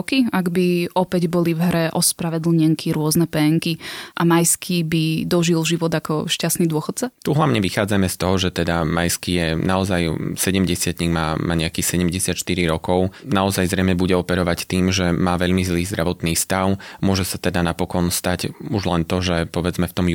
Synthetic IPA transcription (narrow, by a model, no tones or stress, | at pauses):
kiaɡbiʔɔpɛɟbɔlivɦɾɛʔɔspɾaʋɛd̪l̩ɲɛŋkʰiɾʊɔznɛpɛːŋkiʔamajskʰibid̪ɔʒilʒiʋɔd̪akɔ̰ʃcast̪nid̪ʊɔxɔt̪̚t͡sat̪uɦlaʊɲɛʋixaːd͡zamɛst̪ɔɦɔʒɛt̪ɛd̪amajskijɛnaɔzajsɛɟɛmɟɛsɪat̪ɲiːɡmaːma̰ːɲɛakiːsɛɟɛmɟɛsɪat̪ʃt̪iɾiɾɔkɔʊnaɔzajzɾɛjmɲɛbuɟɛɔpɛɾɔʋact̪iːmʒɛmaːʋɛʎmizliːzd̪ɾʔaʋɔt̪niːst̪aʊmʊɔʒɛsat̪ɛd̪anapɔkɔnst̪acuʒlɛnt̪ɔʒɛpɔʋɛd͡zmɛft̪ɔm